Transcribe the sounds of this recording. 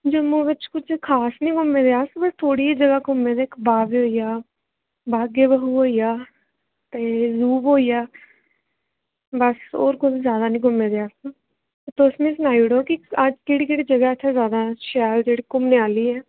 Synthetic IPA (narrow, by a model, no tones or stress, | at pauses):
d͡ʒəmõːʋɪt͡ʃkʊt͡ʃʰkʰaːsnĩːkʊmẽːd̪eaːsbəst̪ʰoːɽiːd͡ʒəɡaːkʊmːẽd̪eːkbaːʋiɦoːijaː | baːɡeːbəɦuɦoːijaː | t̪eːzuːbɦoːijaː | bəso̰ːɾkʊd͡ʒzjaːd̪aːnĩːk̬ʊmẽːd̪eaːsu | t̪eʊsmẽːsnaːiɽoːkiəd͡ʒkeːɽiːkeːɽiːd͡ʒəɡaɛt͡ʃʰazjaːd̪aːʃɛːld͡ʒeːɽiːkʊmneːaːliːɛː